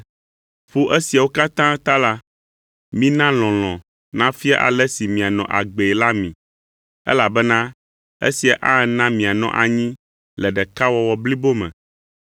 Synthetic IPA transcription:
ɸo˦ʔɛ˦si˨a˨wo˦ka˦t̪ã˦t̪a˦la˦ | mĩ˦nã˦l̃ɔ̃˨l̃ɔ̃˨ | nã˦fi˦a̰˦ʔa̰˨lɛ˦si˨mĩ˨a˨nɔ̃˨ʔa̰˨ɡ͡be˨la˦mḭ̃˨ | ɛ̰˦la˨bɛ˦nã˦ | ḛ˦si˨a˨ʔa˦˨nã˦mĩ˨a˨nɔ̰̃˨ʔa˨ɲĩ˦ | lɛ˨ɖɛ˨ka˦wɔ˨wɔ˨bli˦bo˦mɛ̰̃˨

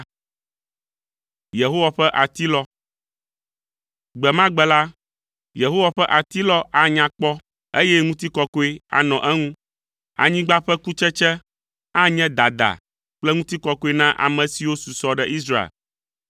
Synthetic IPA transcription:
je˨ɦo˦wa˨ɸɛ˦ʔa˨t̪i˦lɔ˦ | ɡ͡bɛ˨mã˦ɡ͡bɛ˨la˦ | je˨ɦo˦wa˨ɸɛ˦ʔa˨t̪i˦lɔ˦ʔa˦ɲã˨k͡pɔ˦ | e˦jɛ˦ŋũ˦t̪i˦kɔ˦ko˦e˦a̰˨nɔ̃˨ʔɛ˦ŋũ˦ | a̰˨ɲĩ˦ɡ͡ba˦ɸɛ˦ku˦t͡ʃɛ˦t͡ʃɛ˦ | a˦ɲɛ̃˦d̪a˨d̪a̰˨ | k͡plɛ˦ŋũ˦t̪i˦kɔ˦ko˦e˦nã˦ʔa̰˨mɛ̃˨si˨wo˦su˨sɔ˦ɖɛ˦˨ʔi˦s̬ɾa˦ḛ˨l

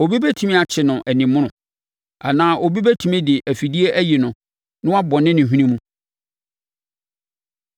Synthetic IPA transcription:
o˨bi˦bæ˦tʰu˨mĩ˦a˨t͡ɕʰɪ˨nʊ̃˨ʔɛ˨nɪ̃˨mʊ̃˦ñʊ̃˨ | a̰˨nãː˨˦ʔo˨bi˦bæ˦tʰu˨mĩ˦dɪ˨ʔæ˨fi˨di˦e˦ʔæ˦jɪ˨nʊ̃˨ | nʊ̃˦a˦bɔ˨nɪ̃˦nɪ̃˨ɦũ˦nĩ˦mũ˦

